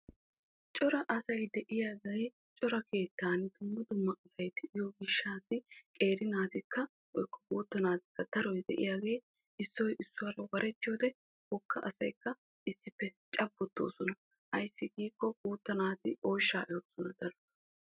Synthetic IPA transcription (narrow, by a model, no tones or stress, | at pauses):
t͡ʃʼɔɾɐʔɐsɐjd̪ɛʔɪjaːɡɐj | t͡ʃʼɔɾɐkʰe̞ːt̪ːaːnɪd̪ʊmːʊd̪ʊmːɐʔɐsɐjt̪ɪʔɪjɔɡɪʃːaːsɪkʼe̞ːɾɪnaːt̪ɪkːɐ | wɔjkːɔ̥kʼuːt̪ːɐnaːt̪ɪkːɐd̪ɐɾɔjd̪ɛ̰ʔɪjaːɡe̞ː | ɪsːɔjʔɪsːʊwɐɾɐwɐɾʔɛt̪ːɪjo̞ːd̪ɛ | bɔkːɐʔɐsɐjkːɐ | ɪsːɪpːɛt͡ʃʼɐbːɔt̪ːo̰ːsɔnɐ | ʔɐjsːɪɡiːkːɔkʼuːt̪ːɐnaːt̪ɪʔoːʃːaːʔɪjoːsɔnɐd̪ɐɾɔsɔ̥